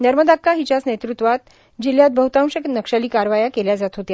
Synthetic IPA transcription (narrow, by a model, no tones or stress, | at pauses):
nəɾməd̪akːaɦit͡ɕat͡snet̪ɾut̪ʋat̪ | d͡ʑiljat̪̚bʱəɦut̪ãw̃ɕək̪nəkʂaliːkaɾʋajakeljad͡zat̪ɦot̪ja